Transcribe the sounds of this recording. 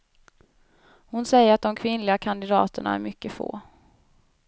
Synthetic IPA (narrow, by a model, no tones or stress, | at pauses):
hʊnsɛjːəɾat̪̚d̪ɔmkʰvɪnlɪɡakʰand̪ɪd̪ɑːt̪əɳa̰æ̰ɾmʏkːəfo̰ː